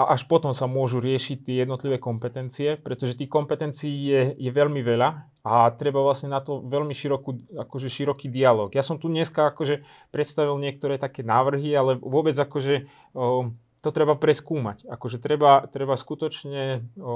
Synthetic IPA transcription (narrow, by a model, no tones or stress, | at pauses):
aʔaʃpɔt̪ɔmsamʊɔʒuɾɪɛʃic̚t̪ɪɛjɛd̪nɔt̪liʋɛːkɔmpɛt̪ɛnt͡siɛpɾɛt̪ɔʒɛt̪iːxkɔmpɛt̪ɛnt͡siːjɛjɛʋɛʎmiʋɛʎa | at̪ɾɛbaʋlasɲɛnat̪ɔʋɛʎmiʃiɾɔkuːakɔʒɛʃiɾɔkiːd̪ialɔːɡjasɔmt̪uɲɛskaakɔʒɛ | pɾɛt̪st̪aʋilɲɪɛk̚t̪ɔɾɛːt̪akɛːnaːʋr̩ɦialɛʋʊɔbɛd͡zakɔʒɛ | t̪ɔt̪ɾɛbapɾɛskuːma̰ca̰kɔʒɛt̪ɾɛbat̪ɾɛbaskut̪ɔt͡ʃɲɛ